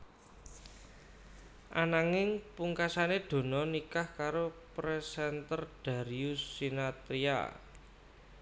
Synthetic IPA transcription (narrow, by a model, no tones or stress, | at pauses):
ʔa̰naŋɪŋpuŋkasaneɖ̪̥o̤nɔnikahkaɾopɾɛsɛnt̪ərd̪̥a̤ɾiusinat̪ɾia̰